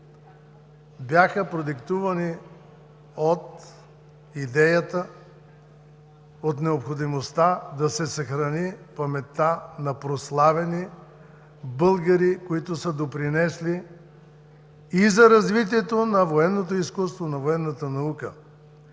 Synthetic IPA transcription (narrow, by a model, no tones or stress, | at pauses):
bjaxəpɾod̪ikt̪uvɐni | ot̪ | id̪ɛjət̪ə | ot̪nɛopxod̪imost̪ad̪ɐsɛsɐxɾɐnipɐmɛt̪ːanɐpɾoslˠavɛni | bɤlˠɡɐɾikoit̪ʊsəd̪opɾinɛsli | izɐɾɐzvit̪iɛt̪onɐvoɛnːot̪oiskust̪vonɐvoɛnːət̪ənɐukə̰